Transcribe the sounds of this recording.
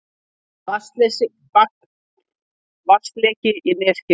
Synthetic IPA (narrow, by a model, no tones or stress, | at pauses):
vḁst̪lɛsɪ | ak | vast̪lɛːcɪʔinɛːscɪ